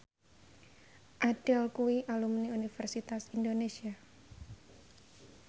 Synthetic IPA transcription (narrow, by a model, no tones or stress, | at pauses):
ʔaɖ̥ɛlkuwiʔalumniunifɛrsit̪asindonesia